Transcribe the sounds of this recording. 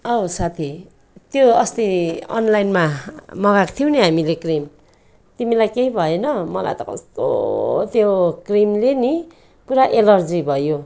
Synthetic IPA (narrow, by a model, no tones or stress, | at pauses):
ʌosat̪ʰi | t̪joʌst̪iʌ̰nlajnmamʌɡakt̪ʰijw̃niɦamilekrim | t̪imilajkeibʱʌjonʌmʌla̰jt̪ʌkʌ̰st̪o̰t̪jokrimleni | puɾaʔelʌrd͡zibʱʌjo